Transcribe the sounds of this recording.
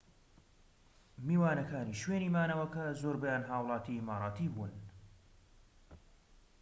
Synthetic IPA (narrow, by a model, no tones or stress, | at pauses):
miːwaːnɐkaːniːʃweːniːmaːnɐwɐkɐzoːɾbɐjaːnɦaːwlˠɑːt̪iːmaːɾˤɑːt̪ʰiːbun